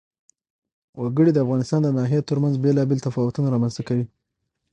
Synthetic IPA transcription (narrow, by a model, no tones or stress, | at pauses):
waɡəɽid̪əafɣɑnɪst̪ɑnd̪ənɑɦijet̪əɾmanzbelɑbelt̪afɑwʊt̪unaɾɑmanzt̪akawi